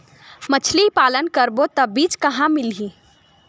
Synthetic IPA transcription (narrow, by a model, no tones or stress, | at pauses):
mət͡ʃʰlipaːlənkəɾbot̪əbiːd͡ʒkəɦãmɪlɦĩ